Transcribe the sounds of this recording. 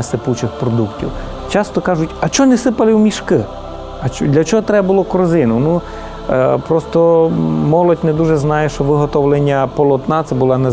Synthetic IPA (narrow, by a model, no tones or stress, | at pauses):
ɐsɪput͡ʃɪxpɾɔd̪uktʲḭw | t͡ʃɑst̪ɔkɑʒʊtʲɐt͡ʃɔnesɪpɐlˠɪwmʲiʃkɪ | ɐt͡ʃd̪lʲɐt͡ʃɔɦɔt̪ɾɛbbʊlˠɔkɔɾzɪnʊnu | pɾɔst̪ɔmɔlˠɔtʲnɛd̪uʒɛznɑjɛʃt͡ʃɔʋɪɦɔt̪ɔʋlˠenʲːɐpɔlˠɔt̪nɑt̪sɛbʊlˠɑnɛ